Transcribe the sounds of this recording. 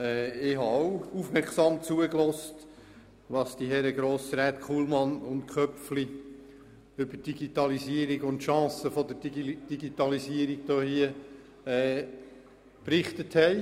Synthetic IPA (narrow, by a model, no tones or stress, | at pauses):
ɛːɪɦɑowufmɛɾksɑːmt͡suəklɔst | ʋɑsd̥iɦɛɾəɡɾoːsɾɛt̪kχuːlmɑnʊntkʰœpfli | ʏbəd̥iɡ̥itɑliziəɾiɡʊntʃɑ̃ːsəfɔd̪əd̥iɡitɑlisiəɾiɡd̥oːhiə | ɛː | pɾɪχtəthɛɪ